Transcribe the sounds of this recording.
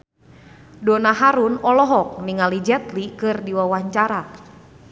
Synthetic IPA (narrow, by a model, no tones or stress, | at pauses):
donaɦaɾunɔlɔɦɔk̚niŋalid͡ʒɛt̪likɨrdiwawaɲt͡ʃaɾa